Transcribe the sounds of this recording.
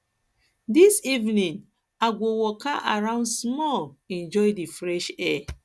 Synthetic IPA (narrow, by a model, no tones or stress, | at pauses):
disivnĩn | aɡowɔkaʔa̰ɹãʊ̃ndsmɔlɛ̃nd͡ʒɔjdifɹɛʃɛ